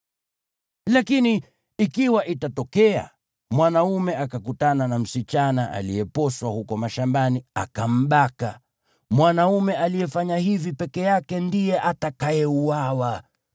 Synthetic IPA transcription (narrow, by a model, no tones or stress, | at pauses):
lakini | ikiwaʔitatɔkɛa̰ | mwanaumɛakakutananam̩sit͡ʃanaʔa̰lḭjɛpɔswahukɔmaʃambaniakam̩ɓaka | mwanaumɛalijɛfaɲahivipɛkɛjakɛndijɛʔatakajɛuawa